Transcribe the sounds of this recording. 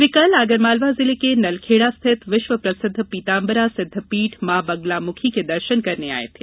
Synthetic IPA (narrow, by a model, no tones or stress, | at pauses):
ʋɪkɐlaːɡəɾmaːlʋazɪlekenɐlkʰeːɽast̪ʰɪt̪ʋɪʃʋəpɾɐsɪd̪ʱːpiːt̪aːmbəɾasɪd̪ʱːəpiːʈʰmãːbɐɡlamʊkʰiked̪ɐɾʃənkɐɾnea̰ːḛt̪ʰe